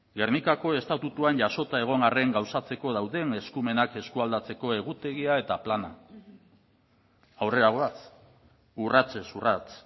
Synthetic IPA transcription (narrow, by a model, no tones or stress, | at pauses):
ɡe̞rnikako̞e̞st̪at̪ut̪uanʝaso̞t̪ae̞ɣ̞o̞ŋare̞ŋɡawsat͡se̞ko̞ð̞awðe̞ŋe̞skume̞nake̞skuald̪at͡se̞ko̞e̞ɣ̞ut̪e̞ɣiae̞t̪aplana | awre̞ɾaɣoat͡s | urat͡se̞surat͡s